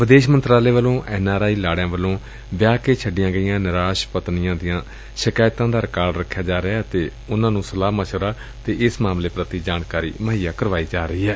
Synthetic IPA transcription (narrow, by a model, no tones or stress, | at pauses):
ʋɪd̪eːʃmənt̪ɾaːleːʋəlõːʔɛːnaːɾaːiːlaːɽjãːʋəlõː | ʋjaːkeːt͡ʃʰəɖɪjãːɡəɪjãːnɪɾaːʃpət̪nɪjãːd̪ɪjãː | ʃɪkaːɪt̪ãːd̪aːɾɪkaːɾɖɾəkʰːjaːd͡ʒaːɾɪaːt̪eː | ʊnãːnũːsəlaːmaːt͡ʃʰəɾaː | t̪eːʔɪsmaːmleːpɾət̪iːd͡ʒaːnkaːɾḭːməɦijaːkəɾʋaːiːd͡ʒaːɾəiːɦɛː